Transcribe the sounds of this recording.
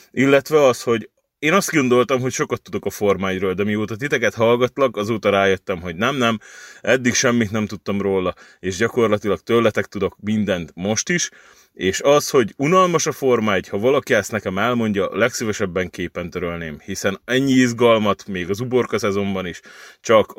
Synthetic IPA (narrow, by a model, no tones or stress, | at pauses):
ʔilːɛt̪ʋɛɒsho̞ɟ | eːnɒsd̪ɡo̞nd̪o̞lt̪ɒmɦo̞cʃo̞kɒt̪ːud̪o̞kɒfo̞rmaːjroːld̪ɛmioːt̪ɒt̪̬it̪ɛkɛt̪ɦɒlɡɒt̪lɒkɒzoːt̪ɒɾaːjøt̪ːɛmɦo̞ɟnɛmnɛmɛd̪ːikʃɛmːit̪nɛmt̪ut̪ːɒmroːlɒeːʒɟɒko̞rlɒt̪ilɒk̚t̪øblɛt̪ɛk̚t̪ud̪o̞kmind̪ɛnt̪mo̞ʃt̪iʃ | eːʃɒsho̞ɟunɒlmɒʃɒfo̞rmaːɟhɒvɒlɒkiɛst̪nɛkɛmɛlmo̞ɲɟɒlɛksivɛʃɛbːɛŋkeːpɛnt̪øɾølneːmhisɛnɛɲːiizɡɒlmɒt̪meːɡɒzubo̞rkɒsɛzo̞mbɒniʃt͡ʃɒk